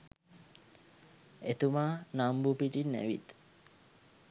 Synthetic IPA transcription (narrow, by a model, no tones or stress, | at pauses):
et̪umaːnambupiʈinːæ̰ʋḭt̪